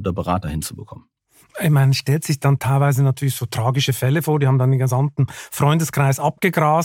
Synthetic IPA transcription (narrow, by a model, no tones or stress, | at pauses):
dɐbəʁa̰ːtɐhɪnt͡subəkʰɔmən | ɪçmaɪnsʃtɛltz̥ɪçd̥ɑntʰaɪlvaɪzənatʰyːɐlɪçsoːtʁ̥aːɡɪʃəfɛləfoːɐdiːhaːm̩dɑndenɡəzamtn̩fʁ̥ɔʏndəskʁ̥aɪsʔap̚ɡ̥əɡʁaːs